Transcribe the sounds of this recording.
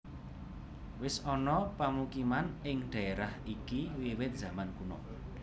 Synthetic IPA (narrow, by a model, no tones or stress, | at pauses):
wɪsɔnɔpamukimanɪŋɖ̪̥a̤eɾahikiwiwɪt̪̚z̥a̤mankunɔ̰